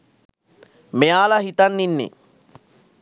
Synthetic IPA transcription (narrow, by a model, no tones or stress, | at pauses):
mejaːlaɦit̪anːinːḛ